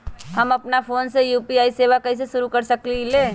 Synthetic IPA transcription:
həmɐpnapʰoːnsejuːpiaːiseːʋakɐis̬eʃʊɾukəɾsəklileː

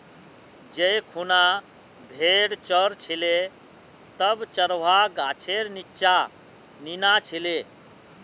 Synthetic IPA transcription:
d͡ʒejkʰuna | bʱeɽt͡ʃəɾt͡ʃʰile | t̪əbt͡ʃəɾwaɡat͡ʃʰeɾnitːt͡ʃa | ninat͡ʃʰile

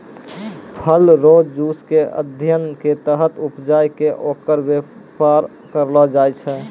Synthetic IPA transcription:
pʰəlɾoːd͡ʒd͡ʒuːskeə̰d̪ʱjənket̪əɦət̪upd͡ʒaːjkeʔoːkəɾwə | paɾ | kəɾlɔd͡ʒaːjt͡ʃʰɛ

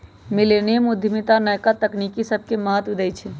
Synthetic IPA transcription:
milenemud̪ʱjmit̪anəjkat̪əknikisəb̚ʱkeməɦət̪ʋid̪əjt͡ʃʰɛ

